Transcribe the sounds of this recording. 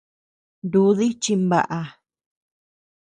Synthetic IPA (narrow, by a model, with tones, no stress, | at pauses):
nd̪u˧˦ði˦t͡ʃi˧mba̰˧ʔa˧